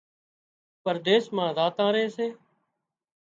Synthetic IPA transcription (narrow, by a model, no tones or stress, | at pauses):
pəɾd̪eːsmãːzaːt̪ãːɾeːseː